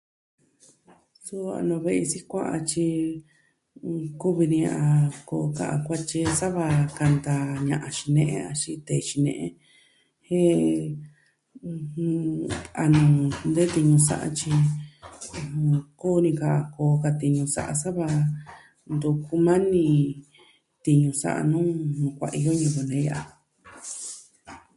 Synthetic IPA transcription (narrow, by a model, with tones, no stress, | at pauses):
su˦a̰˧nõ˧βe˧ʔsi˦kʷa˦ʔa˧t͡ʃi˧ | ku˦βi˧nĩ˧ã˧ko˧ka̰˧ʔa̰˧kʷa˦t͡ʃi˧sa˦βa˧ka˧nd̪a˧ɲã̰˨ʔã˧ʃi˧nẽ˦ʔḛ̃˦˧a˧ʃi˧t̪e˨˧ʃi˧nḛ̃˧ʔḛ̃˦ | he˦˧ | a˧nũ˨˧nd̪e˦t̪i˧ɲũ˧sa̰˦ʔa̰˧t͡ʃi˧ | ũ˧koː˦˧nĩ˧ka˧˨a˨˧ko˧ka˧t̪i˧ɲũ˧sa̰˦ʔa̰˧sa˦βa˧ | nd̪u˧ku˧mã˦nĩ˧ | t̪i˧ɲũ˧sa̰˦ʔa̰˧nũː˦nũ˧kʷa̰˧ʔi˧jo˦ɲũ˧βu˧nẽ˨˦ja˧˨ʔa˨